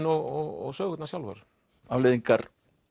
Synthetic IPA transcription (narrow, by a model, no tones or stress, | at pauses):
nɔɣɔɣɔ̰ɣsœːɣʏt̪nasjalva̰ɾ | avlɛðiŋkaɾ